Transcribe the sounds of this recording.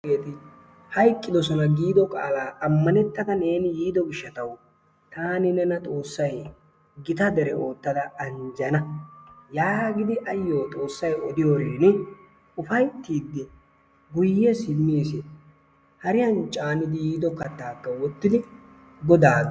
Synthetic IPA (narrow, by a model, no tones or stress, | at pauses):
eːt̪ɪ | hɐjkʼːɪd̪ɔsɔnɐɡiːd̪ɔkʼa̰ːlaːʔɐmːɐnɛt̪ːɐd̪ɐne̞ːnɪjiːd̪ɔɡɪʃːɐt̪ɐw | t̪aːnɪnɛnɐt̪ʼo̞ːsːɐj | ɡɪt̪ɐd̪ɛɾɛo̞ːt̪ːɐd̪ɐɐnd͡ʒɐnɐjaːɡɪd̪ɪʔɐjːo̞ːt̪ʼo̞ːsːɐjɔd̪ɪjoːɾeːnɪ | ʊfɐjt̪ːiːd̪ːɛ | ɡʊjːɛsɪmːiːsɛ | hɐɾɪjɐnt͡ʃʼaːnɪd̪ɪjiːd̪ɔkɐt̪ːaːkːɐwɔt̪ːɪd̪ɪ | ɡɔd̪aː